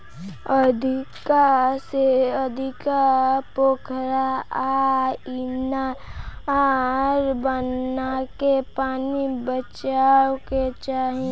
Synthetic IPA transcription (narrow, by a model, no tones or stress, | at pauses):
əd̪ʱɪkaseəd̪ʱɪkapoːkʰɾaaina | ɾbənːakepaːnibət͡ʃawket͡ʃaːɦẽ